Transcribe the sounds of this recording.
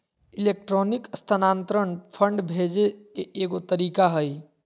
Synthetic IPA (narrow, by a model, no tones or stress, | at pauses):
ilek̚ʈɾonikəst̪ʰanant̪ɾəɳpʰəɳɖbʱed͡ʒekeːɡot̪əɾikaɦəj